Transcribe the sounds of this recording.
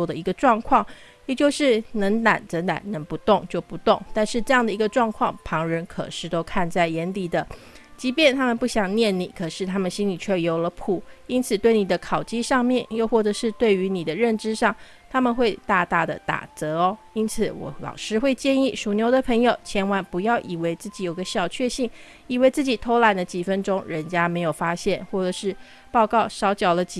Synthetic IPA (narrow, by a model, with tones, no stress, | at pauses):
ɔ˥d̪ə˨i˧˥ɡə˧ʈ͡ʂwɑ˥˧ŋkʰwɑ˥˩ŋ | jɛ˨˩t͡ɕjo˥˧ʊʂɻ̩˥˩nə˧˥ŋna˨˩nt͡sə˧˥na̰˨˩nnə˧˥ŋpu˧˥t̪ʊ˥˧ŋt͡ɕjo˥˩ʊpu˧˥t̪ʊ˥˩ŋt̪nʂɻ̩˥˧ʈ͡ʂɤ˥˧jɑ˥˩ŋd̪ə˩i˧˥ɡə˧ʈ͡ʂwɑ˥˧ŋkʰwɑ˥˩ŋpʰɑ˧˥ŋɻə˧˥nkʰɤ̰˨˩ʂɻ̩˥˩t̪o˥ʊkʰa˥˧nt͡sa˥˩ɪjɛ˧˥nli˨˩d̪ə˦ | t͡ɕi˧˥pjɛ˥˩nt̪ʰa˥mə˨npu˥˩ɕjɑ˨˩ŋnjɛ˥˩nni˨˩kʰɤ˨˩ʂɻ̩˥˩t̪ʰa˥mə˨nɕi˥nli˨˩t͡ɕʰɥɛ˥˩jo˧˥ʊlə˧˦pʰu˨˩˦i˥nt͡sʰɹ̩˨˩t̪we˥˩ɪni˨˩d̪ə˦kʰɑ˨˩ʊt͡ɕi˥ʂɑ˥˧ŋmjɛ˥˧˨njo˥˧ʊxwɔ˥˩ʈ͡ʂɤ˧˦ʂɻ̩˥˧t̪we˥˩ɪy˧˥ni˨˩d̪ə˦ɻə˥˩nʈ͡ʂɻ̩˥ʂɑ˥˩ŋ | t̪ʰa˥mə˨nxwe˥˧ɪt̪a˥˧t̪a˥˩d̪ə̰˩t̪a̰˨˩t͡sɤ˧˥ɔ˧ | i˥nt͡sʰɹ̩˨˩wɔ̰˨˧˦lɑ̰˨˩ʊʂɻ̩˥xwe˥˧ɪt͡ɕjɛ˥˧ni˥˩ʂu˨˩njo˧˥ʊd̪ə˨pʰɤ˧˥ŋjo˨ʊt͡ɕʰjɛ˧˥nwa˧˥ŋpu˧˥jɑ˥˩ʊʔi˨˩we˧˥ɪt͡sɹ̩˥˩t͡ɕi˨˩jo˨˩ʊɡə˦ɕjɑ˨˩ʊt͡ɕʰɥɛ˥˧ɕi˥˩ŋ | i˨˩we˧˥ɪt͡sɹ̩˥˩t͡ɕi˨˩t̪ʰo˧˥ʊla˧˥ɪnd̪ə˧t͡ɕi˨˩fə˥nʈ͡ʂʊ˥ŋɻə˧˥nt͡ɕja˥me˧˥ɪjo˨˩ʊfa˥ɕjɛ˥˩nxwɔ˥˩ʈ͡ʂɤ˨˩ʂɻ̩˥˩ | pɑ˥˧ʊkɑ˥˩ʊʂɑ˧˥ʊt͡ɕjɑ˨˩ʊlə˦t͡ɕ